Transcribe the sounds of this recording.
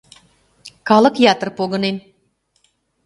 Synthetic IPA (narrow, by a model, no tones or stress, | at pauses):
kɑlˠɤ̆kjɑt̪ə̆rpoɡɤ̆nen